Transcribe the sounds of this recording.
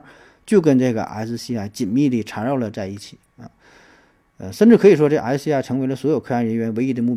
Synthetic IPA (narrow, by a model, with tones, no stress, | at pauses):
t͡ɕjo˥˩ʊk̬ə˥nʈ͡ʂɤ˥˩ɡə̰˩ʔa̰˧˥ɪt͡sɹ̩˧ɕi˥a˧˩t͡ɕi˨˩nmi˥˧li˥˩ʈ͡ʂʰa˧˥ɻɑ˥˩ʊlə˩t͡sa˥˧ɪi˥˩t͡ɕʰi˨˩˦ə̰˧ | ə̰˧ʂə˥˧nʈ͡ʂɻ̩ʰ˥˩ɤ˧˥i˨˩ʂ̬wɔ˥ʈ͡ʂɤ˥˩ə˧ʔa˧˥sɕi˥a˥˩ʈ͡ʂʰɤ˧˥ŋwe˧˥ɪlə˧swɔ˧˥jo˨˩ʊkʰɤ˥˧a˥˩nɻə˧˥nɥɛ˧˥nwe˧˥ɪi˥d̪ə˧˦mu˥˩